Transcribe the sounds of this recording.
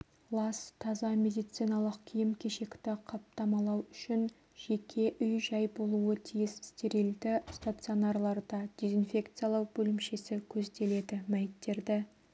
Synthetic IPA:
lˠɑst̪ʰɑzɑmʲe̞d̪ijt̪sɨjnɑlˠəqkʲʰijɪmkʲʰe̞ʃe̞kt̪ɪqʰɑp̚t̪ɑmɑlˠɑwʏʃɪn | ʒ̥e̞kʲʰe̞ʔʏjʒɑjbo̞lˠuət̪ʰijɪsɪ̥st̪e̞ɾild̪ɪst̪at̪sɨo̞nɑrlˠɑɾd̪ɑd̪̥ʲe̞zinfʲe̞kt̪sɨjalˠɑwbɵlɪmʃe̞sɪkʲʰɵzd̪e̞le̞d̪ɪmæjɪt̪ːe̞ɾd̪ɪ

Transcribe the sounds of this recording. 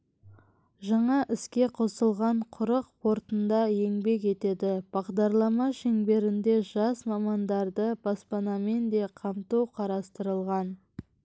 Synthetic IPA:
ʒɑɴɑʔɪskʲe̞qʰo̞səlˠʁɑɴqʰʊɾəq̚pʰo̞ɾt̪ənd̪ɑje̞ŋbe̞ke̞t̪e̞d̪ɪb̥ɑʁd̪ɑɾlˠɑmɑʃeŋbe̞ɾɪnd̪e̞ʒɑsmɑmɑnd̪ɑɾd̪əbɑspɑnɑme̞nd̪e̞qʰɑmt̪uwqʰɑɾɑst̪əɾəlˠʁɑn

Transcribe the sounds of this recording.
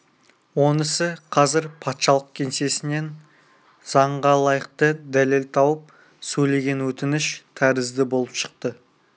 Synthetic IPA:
wo̞nɪsɪqʰɑzɪɾpʰɑt̪ʃɑlˠəq̚kʲʰe̞nse̞sɪne̞n | z̥ɑɴʁɑlˠɑjəq̚t̪əd̪æle̞lt̪ʰɑwəp̚ | sɵjle̞ɡʲe̞nwɵt̪ɪnɪʃt̪ʰæɾɪzd̪ɪbo̞lˠəpʃə̥q̚t̪ə

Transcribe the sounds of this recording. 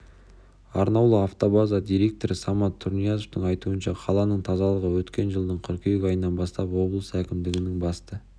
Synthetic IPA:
ɑɾnɑwlˠəɑft̪o̞bazad̪ʲijɾe̞k̚t̪o̞ɾɪsɑmɑt̪ʰːʊɾnijɑzoft̪əɴɑjt̪uənʃɑqʰɑlˠɑnəɴt̪ʰɑzɑlˠəʁəwɵt̪kʲe̞nʒəlˠd̪əɴqʰʏɾkʲʰejekɑjənːɑnbɑst̪ɑpwo̞blˠəsəækʲɪmd̪ɪɡʲɪnɪŋbɑst̪ə

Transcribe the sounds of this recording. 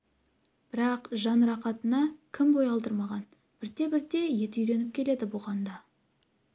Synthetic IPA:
b̥ɪɾɑqʒɑnɾɑqɑt̪ənɑkʲʰɪmbo̞jɑlˠd̪əɾmɑʁɑn | b̥ɪɾt̪e̞bɪɾt̪e̞je̞t̪ɪʏjɾe̞nɪp̚kʲʰe̞le̞d̪ɪbʊʁɑnd̪ɑ

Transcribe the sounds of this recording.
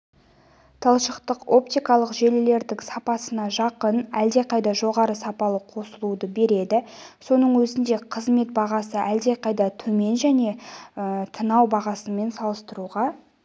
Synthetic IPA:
t̪ʰɑlˠʃəqt̪əqo̞p̚t̪ijkɑlˠəqʒe̞lɪle̞ɾd̪ɪŋsɑpɑsənɑʒɑqənæld̪e̞qɑjd̪ɑʒo̞ʁɑɾəsɑpɑlˠəqʰo̞səlˠud̪əbe̞ɾe̞d̪ɪso̞nəɴwɵzɪnd̪e̞qʰəzme̞t̪̚bɑʁɑsəʔæld̪e̞qʰɑjd̪ɑt̪ʰɵme̞nʒæne̞ət̪ʰənɑwbɑʁɑsəme̞nsɑlˠəst̪əɾuʁɑ

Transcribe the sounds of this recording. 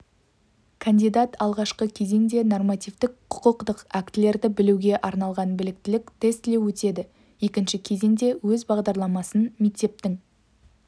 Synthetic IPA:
kʰand̪ijd̪at̪ɑlˠʁɑʃqəkʲʰe̞ze̞ŋd̪e̞no̞rmɑt̪ijvt̪ɪkqʰʊ̥qəqt̪əqækt̪ɪle̞ɾd̪ɪbɪluwɡʲe̞ʔɑɾnɑlˠʁɑnbɪlɪk̚t̪ɪlɪkt̪ʰe̞st̪le̞wɵt̪e̞d̪ɪ | je̞kʲɪnʃɪkʲʰe̞ze̞ŋd̪e̞wɵzbɑʁd̪ɑɾlˠɑmɑsənmekt̪e̞p̚t̪ɪŋ

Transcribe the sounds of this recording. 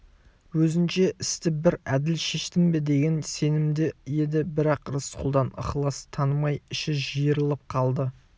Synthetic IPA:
wɵzɪnʃe̞ʔɪst̪ɪbɪɾæd̪ɪlʃe̞ʃt̪ɪmbɪd̪e̞ɡʲe̞nse̞nɪmd̪ɪje̞d̪ɪbɪɾɑqɾəsqʰʊlˠd̪ɑnɑ̰χlˠɑst̪ʰːɑnəmɑjɪʃɪʒijəɾəlˠəp̚qʰɑlˠd̪ə

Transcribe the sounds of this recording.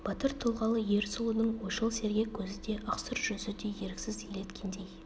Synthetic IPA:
b̥ɑt̪əɾt̪ʰʊlˠʁɑlˠəje̞ɾsulˠənəɴwoʃəlˠse̞ɾɡʲe̞kʲʰɵzɪd̪e̞ʔɑqsəɾʒ̥ɵzɪd̪e̞je̞ɾɪkʲsɪzilet̪kʲʰend̪e̞j

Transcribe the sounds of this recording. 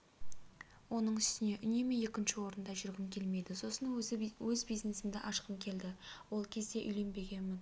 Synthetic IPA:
wo̞nəɴʏst̪ɪne̞ʔʏne̞mee̞kʲɪnʃɪwo̞ɾənd̪ɑʒʏɾɡʲɪmkʲʰe̞lme̞jd̪ɪso̞sənwɵzbijzne̞sɪmd̪ɪʔɑʃqəmkʲʰe̞ld̪ɪwo̞lˠkʲʰe̞zd̪e̞ʔʏ̰jle̞nbe̞ɡʲe̞nmɪn

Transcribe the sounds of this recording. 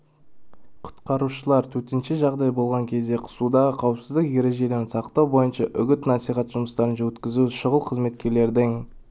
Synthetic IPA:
qʰʊ̥t̪qɑɾuʃəlˠɑɾt̪ʰɵt̪ɪnʃɪʒɑʁd̪ɑjbo̞lˠʁɑŋkʲʰe̞zd̪e̞qʰʊ̥sud̪ɑʁəqʰɑwəpsɪzd̪ɪkje̞ɾe̞ʒe̞d̪ensɑqt̪ɑwbo̞jənʃɑʔʏɡʲɪt̪nɑsijχɑt̪ʒ̥ʊməst̪ɑɾənʒɑwɵt̪kʲɪzuʃʊʁəlˠqʰəzme̞t̪kʲe̞ɾle̞ɾd̪ɪŋ

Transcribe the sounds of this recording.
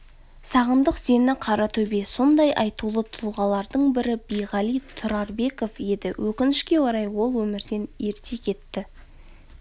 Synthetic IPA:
sɑʁənd̪əqz̥e̞nɪqʰɑɾɑt̪ʰɵbe̞so̞nd̪ɑjʔɑjt̪ulˠət̪ʰʊlˠʁɑlˠɑɾd̪əɴbɪɾɪbejʁɑlˠijt̪ʰʊɾɑɾbe̞ko̞fje̞d̪ɪwʔɵkʲɪnɪʃkʲe̞woɾɑjwo̞lˠwɵmɪɾd̪e̞ne̞ɾt̪ʰe̞kʲʰe̞t̪ːɪ

